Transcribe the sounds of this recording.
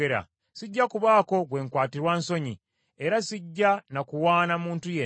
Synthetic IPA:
eɾa̰ | siɟːakuβaːko̞ɡwe̞ːŋkwaːtiɾwanso̞ɲi | e̞ɾasiɟːanakuwaːnamuːntuje

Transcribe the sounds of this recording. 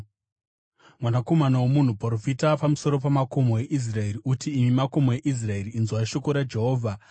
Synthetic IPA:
mwanako̞manawomun̤upoɾofitapamuso̞ɾo̞pamako̞mowe̞ʔis̬rae̞riutiːmimako̞moe̞ʔis̬rae̞riinzwaiʃo̞koɾad͡ʒe̞ɦo̞ːvʱa

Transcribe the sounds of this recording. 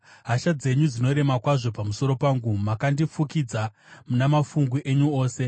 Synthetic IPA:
ɦaʃad͡ze̞ɲud͡zino̞ɾe̞makwaʐo̞pamuso̞ɾo̞paːŋɡumakandifukid͡za | munamafuŋɡwiʔe̞ɲuo̞ːse̞

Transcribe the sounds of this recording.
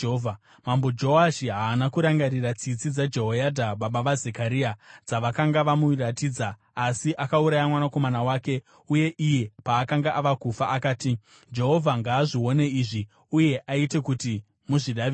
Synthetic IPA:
va | mambo̞d͡ʒo̞aʃiɦaːnakuɾaŋɡaɾirat͡sit͡sid͡zad͡ʒe̞ɦo̞jadʱaɓaɓaʋaze̞kaɾiad͡zaʋakaŋɡaʋamuratiːd͡zaː | siʔakauɾajamwanako̞manawaːke̞ | uje̞ʔije̞paːkaŋɡaʔaʋakufaʔakaːti | d͡ʒe̞ɦo̞vʱaŋɡaːʐiwo̞ne̞iːʐi | uje̞ʔaite̞kuti | muʐiɗa

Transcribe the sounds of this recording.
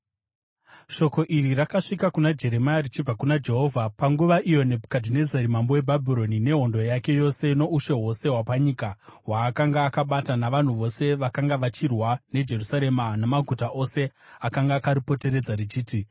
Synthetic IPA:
ʃo̞ko̞ʔirirakaʂikakunad͡ʒe̞ɾe̞majarit͡ʃib͡vakunad͡ʒe̞ɦo̞ːvʱapaŋɡuʋaʔijo̞ne̞bʱkadʱine̞zeɾimambo̞we̞bʱabʱiɾo̞nine̞ɦo̞ndo̞jake̞jo̞se̞ino̞uʃe̞ɦo̞se̞ɦwapaɲiːkawaːkaŋɡaːkaɓatanaʋan̤uʋo̞se̞ʋakaŋɡaʋat͡ʃirwane̞d͡ʒe̞rusaɾe̞manamaɡʱutaʔo̞se̞akaŋɡaːkaɾipo̞te̞ɾe̞d͡zarit͡ʃiːti

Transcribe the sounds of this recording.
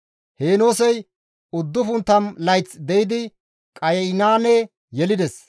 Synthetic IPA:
he̞ːno̞ːsɛj | ʊd̪ːʊfʊnt̪ːɐmlɐjt͡sd̪ɛjɪd̪ɪ | kʼɐjɛɪnaːnɛ | jɛlɪd̪ɛs

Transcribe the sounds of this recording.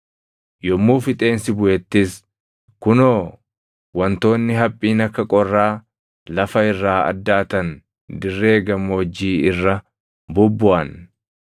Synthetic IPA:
jɔmːuːfɪt̪ʼe̞ːnsɪbʊʔɛt̪ːɪs | kʊnoː | wɐnt̪o̞ːnːɪɦɐpʼːiːnɐkːɐkʼɔrːaː | lɐfɐɪrːaːɐ̰d̪ːaːt̪ɐn | d̪ɪrːe̞ːɡɐmːoːd͡ʒːiːɪrːɐ | bʊbːʊʔɐn

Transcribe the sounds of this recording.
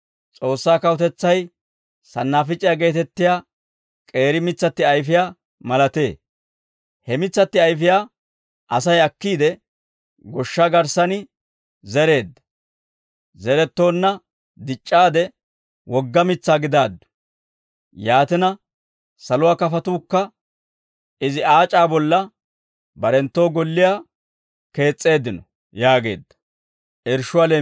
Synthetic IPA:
t͡sʼo̞ːsːaːkɐwʊt̪ɛt͡sːɐj | sɐ̰nːaːfɪt͡ʃʼːɪjaːɡe̞ːt̪ɛt̪ːɪjaː | kʼe̞ːɾɪmɪt͡sːɐt̪ːɪɐjfɪjaː | mɐlɐt̪e̞̰ː | hɛmɪt͡sːɐt̪ːɪɐjfɪjaː | ʔɐsɐjɐkːiːd̪ɛ | ɡɔʃːaɡɐɾsɐnɪ | zɛɾe̞ːd̪ːɐ̥ | zɛɾɛt̪ːo̞ːnːɐ | d̪ɪt͡ʃʼːaːd̪ɛ | wɔɡːɐmɪt͡sːaːɡɪd̪aːd̪ːʊ̥ | jaːt̪ɪnɐ | sɐlʊwaːkɐfɐt̪uːkːɐ | ɪzɪaːt͡ʃʼaːbɔlːɐ | bɐɾɛnt̪ːo̞ːɡɔlːɪjaː | ke̞ːt͡sʼːe̞ːd̪ːɪnɔ | jaːɡe̞̰ːd̪ːɐ̥ | ʔɛɾʃʊwaːleː

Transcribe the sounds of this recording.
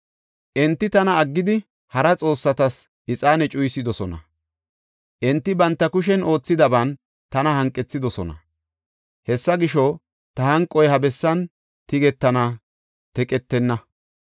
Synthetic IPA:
ʔɛnt̪ːɪt̪ɐnɐːɡːɪd̪ɪ | hɐɾɐt͡sʼo̞ːsːɐt̪ɐs | ʔɪt͡sʼaːnɛt͡ʃʼʊjsɪd̪ɔsɔnɐ̰ | ʔɛnt̪ːɪbɐnt̪ːɐkʊʃɛno̞ːt͡sːɪd̪ɐbɐn | t̪ɐnɐhɐŋkʼːɛt͡sːɪd̪ɔsɔnɐ̰ | hɛsːɐɡɪʃɔ | t̪ɐhɐŋkʼːɔjɦɐbɛsːɐn | t̪ɪɡɛt̪ːɐnɐ | t̪ɛkʼɛt̪ːɛnːɐ

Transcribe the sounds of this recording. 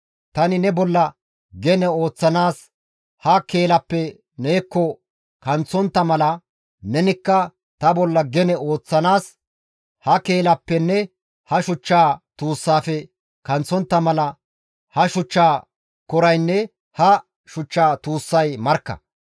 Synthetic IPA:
t̪ɐnɪnɛbɔlːɐ | ɡɛnɛo̞ːt͡sːɐnaːs | hɐke̞ːlɐpːɛ | neːkːɔ | kɐnt͡sːɔnt̪ːɐmɐlɐ | nɛnɪkːɐ | t̪ɐbɔlːɐɡɛnɛo̞ːt͡sːɐnaːs | hɐke̞ːlɐpːɛnːɛ | hɐʃʊt͡ʃːaːt̪uːsːaːfɛ | kɐnt͡sːɔnt̪ːɐmɐlɐ | hɐʃʊt͡ʃːaː | kɔɾɐjnːɛ | hɐ | ʃʊt͡ʃːaːt̪uːsːɐjmɐɾkːɐ̰

